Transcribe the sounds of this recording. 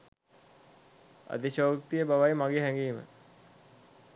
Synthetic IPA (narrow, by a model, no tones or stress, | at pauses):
a̰d̪iɕoːkt̪ijəbaʋajmaɡeɦæŋɡiːmə̰